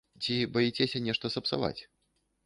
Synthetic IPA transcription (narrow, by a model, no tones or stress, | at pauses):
t͡sʲibɐjit͡sʲɛsʲɐnʲɛʂt̪ɐsɐpsa̰va̰t͡sʲ